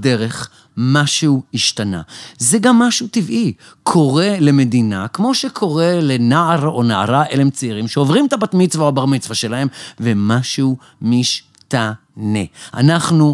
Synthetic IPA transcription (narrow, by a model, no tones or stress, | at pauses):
deʁe̞χ | maʃuiʃtana̰zeɡamːaʃut̪ivʔi | kʰo̞ʁe̞le̞me̞d̪inakmo̞ʃekʰo̞ʁe̞le̞naaʁo̞naaʁaʔele̞mt͡seiʁimʃeovʁimet̪abat̪mit͡svaoabaʁmit͡svaʃe̞lae̞mvemaʃu | miʃ | tanea̰naχnu